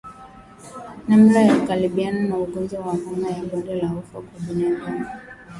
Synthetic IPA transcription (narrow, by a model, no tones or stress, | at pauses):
nam̩ɾajaukaliɓiananauɡɔnzɔwamamajabɔndɛlahɔfakɔbunaɡana